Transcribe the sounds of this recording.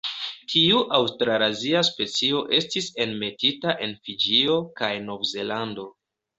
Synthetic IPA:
tʰiuʔawstɾaɾaziaspe̞t͡sio̞ʔe̞stise̞nme̞titaʔe̞nfid͡ʒio̞kajno̞vze̞lando̞

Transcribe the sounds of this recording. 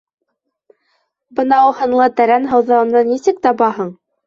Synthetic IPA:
bɤ̆nɑuhɤ̆nlˠɤt̪æɾænɦɤ̆wðɑɤ̆nd̪ɑnisɘk̚t̪ɑbɑɦɤɴ

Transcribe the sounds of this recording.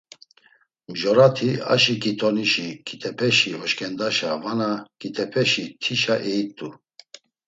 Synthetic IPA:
mʒɔɾat̪ʰia̰ʃikʼit̪ʰɔniʃikʰʼit̪ʰɛpʰɛʃihɔʃkʰʼɛnd̪aʃavanakʼit̪ʰɛpʰɛʃit̪ʰiʃaʔɛit̪ʼu

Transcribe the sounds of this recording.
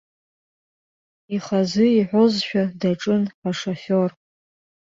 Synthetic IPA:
iχazɨiħʷozʃᶣadaʈ͡ʂʼɨnħaʂofor

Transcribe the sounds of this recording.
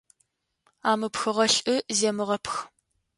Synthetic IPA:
aːmɨpxɨʁɐɬʼɨzeːmɨʁɐpx

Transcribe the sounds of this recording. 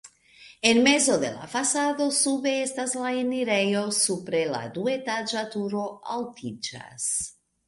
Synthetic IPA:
enmezoðḛla̰fasaðosuβeest̪azlaeniɾejosupɾela̰d̪uet̪ad͡ʒat̪uɾoalt̪id͡ʒa̰s

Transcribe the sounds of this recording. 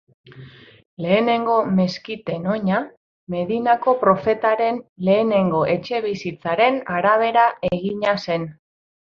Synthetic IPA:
le̞ːne̞ŋɡo̞me̞skit̪e̞no̞ɲa | me̞ðinako̞pɾo̞fe̞t̪aɾe̞nle̞ːne̞ŋɡo̞ʔe̞t͡ʃe̞β̞isit͡saɾe̞naɾaβ̞e̞ɾaeɣ̞iɲase̞n

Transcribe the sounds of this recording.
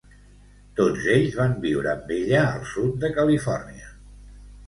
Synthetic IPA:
t̪od͡zeʎzβambiwɾəmbiʎaəlˠsut̪̚d̪əkəlifɔrniə

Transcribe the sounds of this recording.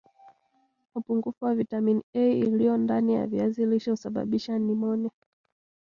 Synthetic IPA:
upuŋɡufuwavitaminiɛiilijɔndanija̰viaziliʃɔhusaɓa̰ɓiʃanimɔnɛ

